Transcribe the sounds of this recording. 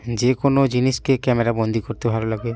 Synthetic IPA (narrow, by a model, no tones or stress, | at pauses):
d͡ʒekonod͡ʒiniskekɛmeɾabɔ̃nd̪ʱikɔɾt̪ebʱalolaɡɛ